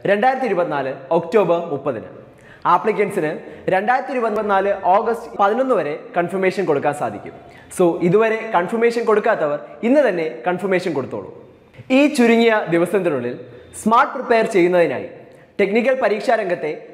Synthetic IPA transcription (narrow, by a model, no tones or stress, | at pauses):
ɾe̞ɳɖaːjɾɐt̪ːiɾubɐt̪ːinaːlɨokto̞ːbɐrmupːɐðinɨ̰ | aːpɭik̬ʲːeɳɖsinɨɾe̞ɳɖaːjɾɐt̪ːiɾubɐt̪ːiɐt̪ːinaːlɨʔoːɡɐstɨ̥pɐðino̞nːuʋɐɾe̞kɐɳfɐrmeːʂɐnko̞ɽuk̬ːaːnsa̰ːd̪ʱikʲːṵm | so̞ːʔiðuʋɐɾe̞kɐɳfɐrme̞ːʂɐnko̞ɽukːaːt̪ːɐʋɐrinːɨt̪ɐnːe̞kɐɳfɐrme̞ːʂɐnko̞ɽut̪ːo̰ːɭːṵ | iːt͡ɕuɾuŋːijɐd̪iʋɐsɐmnd̪ɐɳuɭːilsmaːrʈpripːejɐrt͡ɕe̞jːunːɐðina̰ːjḭ | ʈe̞knik̬ʲːɐɭpɐɾiːkʂaːɾɐŋɡɐt̪ːe̞